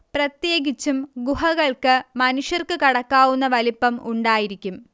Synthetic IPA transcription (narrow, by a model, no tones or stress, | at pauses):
prɐt̪je̞ːɡit͡ɕːumɡuɦɐɣɐɭkɨmɐnuʂjɐrkɨkɐɽɐkːaːwunːɐʋɐlipːɐmuɳɖaːjiɾikʲːum